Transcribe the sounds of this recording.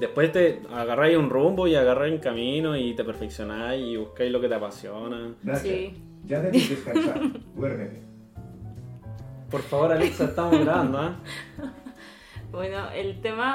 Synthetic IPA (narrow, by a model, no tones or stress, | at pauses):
d̪ehpwe̞st̪eaɣarajunrumboiaɣaraeŋkaminoit̪epeɾfeksjonajiβuhkajlo̞ket̪eapasjonaɡɾasja | d͡ʒat̪eeskanaɡweɾðe | poɾfaβo̞ɾaleksat̪amoɣɾana | bwenoʔelt̪ema